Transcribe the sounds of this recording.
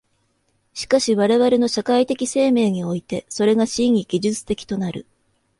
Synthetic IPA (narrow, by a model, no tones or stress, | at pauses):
ɕi̥kaɕiβaɾe̞βaɾe̞no̞ɕakait̪e̞kʲise̞ːme̞ːɲ̟io̞it̪e̞so̞ɾe̞ɡaɕĩŋʲiɡ̥ʲiʑɨt͡sɨ̥t̪e̞kʲi̥t̪o̞naɾɯ̟̰